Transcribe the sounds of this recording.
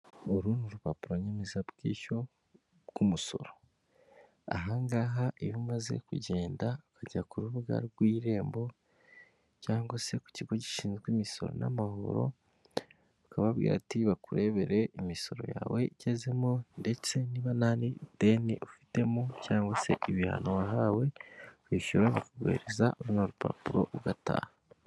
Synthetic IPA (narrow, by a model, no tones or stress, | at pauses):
oɾuːnuɾupapuɾoɲemezabɡiːʃo̞ | kumuso̞̰ɾo̞ | a̰ɦaŋɡaːɦaʔijumaze̞̰kuɟe̞ːndaukʰaɟakuɾuβuɡa̰ɾɡwiːɾe̞ːmbo̞ | caːŋɡwase̞ku̥ciɡo̞ci̥ʃiːnzɡwimiso̞̰ɾo̞̰na̰maho̞̰ɾo̞̰ | ukaβaβɡḭːɾatiβakuɾe̞βe̞ɾe̞imiso̞ɾo̞̰ja̰ːwe̞iɟe̞ze̞monde̞t͡se̞niβananide̞niʔufi̥te̞mucaːŋɡwase̞̰ʔiβiha̰nowaɦawe̞βiʃuɾaβakaɡwḛːɾezauɾunaɾupa̰puɾo̞̰uɡatʰa̰ːha